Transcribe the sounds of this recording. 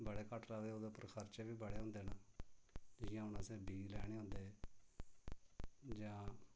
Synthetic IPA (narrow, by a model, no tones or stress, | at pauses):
bəɽeːkəʈɾaːdeːoːd̪eːʊpːəɾkʰəɾt͡ʃeːbiːbəɽeːõːnd̪eːnaː | d͡ʒɪjãːɦʊnãːseːbiːɡlɛːɽ̃eːɦõnd̪eː | d͡ʒãː